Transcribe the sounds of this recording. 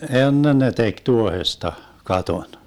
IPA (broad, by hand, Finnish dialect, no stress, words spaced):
enːen ne tek tuohestɑ kɑton